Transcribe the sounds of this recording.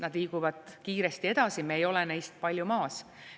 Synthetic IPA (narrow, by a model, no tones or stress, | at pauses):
nɑd̪̥liːɡ̥uvɑd̪̥̚kiːɾe̞st̪ie̞d̪̥ɑsimeejo̞lenejst̪̚pɑlʲjumɑːs